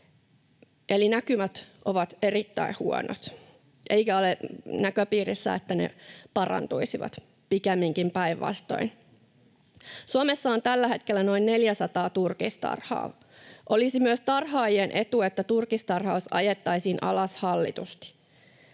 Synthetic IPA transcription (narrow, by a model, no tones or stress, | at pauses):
ʔelinækymæt̪ʔoʋɑt̪e̞ɾit̪ːæ̰ihuo̰no̰t̪ | ʔe̞jkæolenækøpiːrisːæ̰et̪ːænḛpɑrɑ̰nt̪uisiʋɑ̰t̪ | pikemːiŋkimpæiʋʋɑ̰st̪o̞̰in | suomesːɑont̪ælːæɦe̞t̪kelːæno̞inne̞ljæsɑt̪ɑːt̪urkist̪ɑ̰rhɑ̰ː | ʔo̞lisimyøst̪ɑrhɑːjenʔe̞t̪uet̪ːæt̪urkist̪ɑrhɑusɑ̰jet̪ːɑisiːnʔɑ̰lɑshɑlːḭt̪ust̪i̥